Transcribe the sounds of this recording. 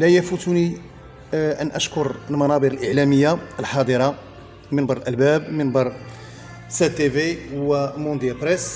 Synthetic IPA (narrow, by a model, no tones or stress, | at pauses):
læjæfut̪uni | ʔənʔæʃkʊɾəlmɑnɑd̪ˤəɾəlʔəʕlæməjːaəlħɑd̪ˤəɾˤɑ | mɪnbɑɾˤəlʔəlbæbmɪnbɑɾˤ | set̪ːevewəmõnd̪jæpɾes